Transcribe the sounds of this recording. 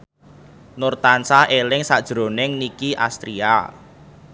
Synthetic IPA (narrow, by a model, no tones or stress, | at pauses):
nʊrt̪ansahelɪŋsad̥ʒ̥ɾo̤nɪŋnikiʔa̰st̪ɾia̰